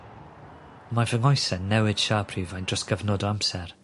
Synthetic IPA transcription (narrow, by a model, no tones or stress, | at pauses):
mavəŋɔjsɛnɛwɪd̥ʃaːpʰriːvajnd̥əsɡ̥əvnɔdɔamsɛr